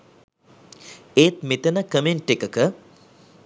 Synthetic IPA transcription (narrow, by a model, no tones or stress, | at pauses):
eːt̪mit̪ənəkəmenʈːekəkə